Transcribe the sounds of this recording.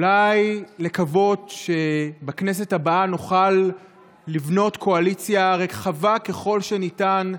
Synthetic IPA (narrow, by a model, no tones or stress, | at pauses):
ulajle̞kavo̞dʃebakne̞s̬e̞thabaanuχalː | ivno̞tkʰo̞alit͡sjaʁekχavake̞χo̞lʃe̞nitan